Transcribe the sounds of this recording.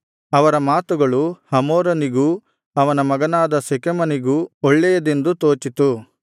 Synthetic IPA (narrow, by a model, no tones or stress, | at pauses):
ɐʋɐɾɐmaːt̪uɡɐɭuhɐmoːɾɐniɡu | ɐʋɐnɐmɐɡɐnaːd̪ɐsekemɐniɡuɔɭːɛjɐd̪e̞nd̪ut̪oːt͡ʃit̪u